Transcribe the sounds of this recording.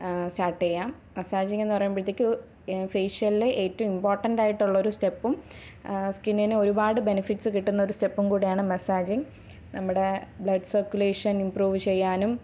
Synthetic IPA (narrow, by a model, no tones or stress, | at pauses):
staːrʈːejːaːm | mesaːd͡ʑiŋenːɨpɐrɐjumbit̪ːikʲːɨ | feːʂɐleʔeːtːɐɐmimpoːrʈːɐndaːjiʈːuɭːɐo̞ɾuste̞pːum | skinːɐnɨo̞ɾubaːɽɨbe̞nɐfiʈːsɨkiʈːunːɐo̞ɾuste̞pːumkuːɽejaːɳɨmesaːd͡ʑiŋ | nɐmːuɽe̞bɭɐɖsɐrkjuleːʂɐnimpruːʋɨt͡ɕe̞jːaːnum